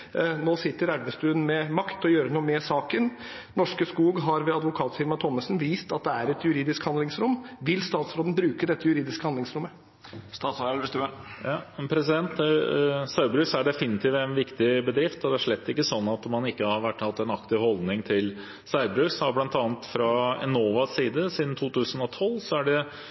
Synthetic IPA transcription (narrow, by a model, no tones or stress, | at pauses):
noːsɪt̪ːəɾæɾʋəst̪ʉːənmɛmɑkt̪ʰɔjøːɾənuːəmɛsɑːkən | nɔʂkəskuːɡɦɑɾʋɛɑd̪ʋʊkʰɑːt̪sɪɾmɑt̪ʰɔmːəsn̩ʋiːst̪ɑt̪̚d̪ɛæɾɛt̪jʉɾiːd̪ɪskhɑnd̪lɪŋsɾʊmːʋɪlst̪ɑːt̪sɾoːd̪n̩bɾʉːkəd̪ɛt̪ːəjʉɾiːd̪ɪskəhɑnd̪lɪŋsɾʊmːə | st̪ɑːt̪sst̪ː | pʰɾɛsɪd̪ɛnt̪ | sɑʉbɾʉːsæɖɛfɪnɪt̪ʰiːʋɛnʋɪkt̪ɪbəd̪ɾɪft̪ɔd̪ɛæʂɭɛt̪ːɪkːəsɔnːɑt̪ɔmɑnɪkːəhɑɾʋæʈːhɑt̪ːɛnɑkt̪ɪʋhɔld̪nɪŋt̪ʰɪl | sæʏbɾʉsɑblɑnt̪ɑːnt̪fɾɑɛ̰noːʋɑsiːd̪əsiːd̪n̩t̪ʰuːt̪ʰʉːsən̩ɔt̪ʰɔlːsɔæɖɛ